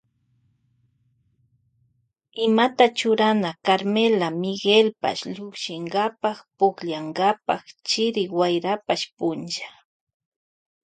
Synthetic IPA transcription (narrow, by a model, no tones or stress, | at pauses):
ɪmat̪at͡ʃʊɾanakaɾmelamɪɡelpa̰ʃʎʊχʃɪŋɡapaχpʊkʎaŋɡapa̰χt͡ʃɪɾɪwajɾapaʃpʊnt͡ʃḁ